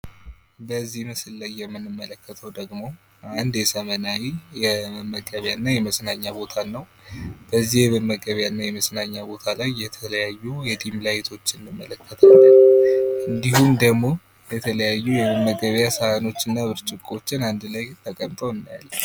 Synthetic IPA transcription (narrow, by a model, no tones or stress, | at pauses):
bəzːihmɨsɨlːajːɛmːɨnːɨmːələkːət̪ʰəwd̪əɡmo̞ | and̪jɛsəmənajijɛməɡʼəβjanːajɛməsnaɲːabo̞t̪ʰanːəw | b̥əzːihjɛβɨmːəɡʼəβjanːajɛməsnaɲːabo̞t̪ʰalajːɛt̪ʰələjajːujɛd̪imlajit̪ʰo̞t͡ʃːɪnːɨmːələkːət̪ʰalːəʔɨnd̪ihumd̪əɡmo̞ | bɛt̪ʰələjajːujɛβəmːəɡʼəβjasəhano̞t͡ʃːɨnːaβɨɾt͡ʃʼɪkʼo̞t͡ʃːɪnand̪lajt̪ʰəkʼəmt̪ʼəwɨnːija̰lː